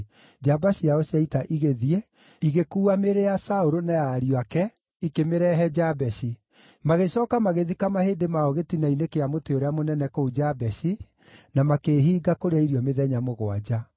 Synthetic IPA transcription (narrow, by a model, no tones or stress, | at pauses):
d͡ʒabasiaosiaitaʔiɣeðie | iɣekuːameɾeasaoɾonajaːɾiwakɛ | ikemeɾɛɦɛd͡ʒabɛsi | maɣeɕɔːkamaɣeðikamaheːdemaɔɣetinainekeamoteoɾeamonɛnɛkoud͡ʒabɛsi | namakeːɦiːɡakoɾeaiɾjɔmeðɛɲamoɣwad͡ʑa